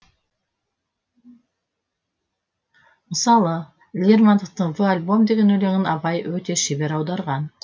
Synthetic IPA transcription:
məsɑlˠə | lʲermand̪əq̚t̪əɴvəalʲbo̞md̪e̞ɡʲe̞nɵle̞ŋʲɪnɑbɑjwɵt̪e̞ʃibe̞ɾɑwd̪ɑɾʁɑn

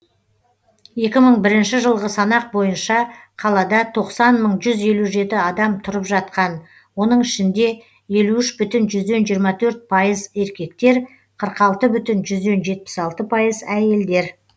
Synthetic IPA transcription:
je̞kʲɪməɴbɪɾɪnʃɪʒəlˠʁəsɑnɑq̚bo̞jənʃɑqʰɑlˠɑd̪ɑt̪ʰo̞qsɑnməɴʒʏze̞luʒe̞t̪ɪɑd̪ɑmt̪ʰʊɾəpʒɑt̪̚qɑn | wo̞nəɴɪʃɪnd̪e̞ | je̞luɪʃbʏt̪ɪnʒʏzd̪e̞nʒijəɾmɑt̪ʰɵɾt̪̚pʰɑjəze̞ɾkʲe̞kt̪e̞ɾ | qʰəɾqɑlˠt̪əbʏt̪ɪnʒʏzd̪e̞nʒe̞t̪̚pɪ̥sɑlˠt̪əpʰɑjəzæje̞ld̪e̞ɾ

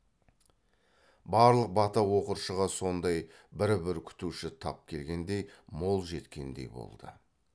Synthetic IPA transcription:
bɑɾlˠəq̚bɑt̪ɑwo̞qəɾʃəʁɑso̞nd̪ɑj | bɪɾbɪɾkʲʰʏ̥t̪uʃɪt̪ʰɑ̰p̚kʲʰe̞lɡʲe̞nd̪e̞jmo̞lˠʒe̞t̪kʲʰe̞̰nd̪e̞̰jbo̞̰lˠd̪ə̰

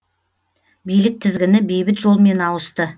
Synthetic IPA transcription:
bijlɪk̚t̪ʰɪzɡʲɪnɪbejbɪt̪ʒo̞lˠme̞nɑwəst̪ə

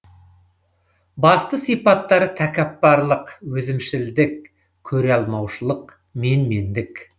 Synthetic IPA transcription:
bɑst̪əsijpɑt̪ːɑɾət̪ʰækʲæpːɑɾlˠəqwɵzɪmʃɪld̪ɪk | kʲʰɵɾeɑlˠmɑwʃəlˠəq | menmend̪ɪk

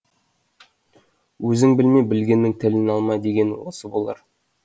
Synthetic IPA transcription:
wɵzɪŋbɪlmejbɪlɡʲe̞nːɪŋt̪ʰɪlɪnɑlˠmɑjd̪e̞ɡʲe̞nwo̞̰səbo̞lˠɑ̰ɾ

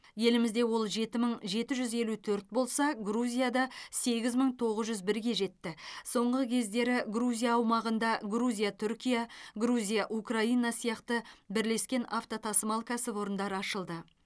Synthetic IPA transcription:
je̞lɪmɪzd̪e̞wo̞lˠʒe̞t̪ɪməɴʒe̞t̪ɪʒʏze̞lut̪ʰɵɾt̪̚bo̞lˠsɑɡruzʲijad̪ɑse̞ɡʲɪzməɴt̪ʰo̞ʁəzʒʏzbɪɾɡʲe̞ʒe̞t̪ːɪso̞ɴʁəkʲʰe̞zd̪e̞ɾɪɡruzʲijaːwmɑʁənd̪ɑɡɾuzʲijat̪ʰʏɾkʲijɑɡruzʲijaʔukraijnɑsijɑqt̪əbɪɾle̞skʲe̞naft̪o̞t̪ʰɑsəmɑlˠkʲʰæsɪpo̞ɾənd̪ɑɾəɑʃəlˠd̪ə

